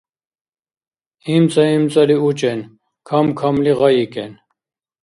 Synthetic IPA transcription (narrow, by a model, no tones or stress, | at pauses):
imt͡sʼaimt͡sʼaliut͡ʃʼɛn | kʰamkʰamliʁɑjikɛn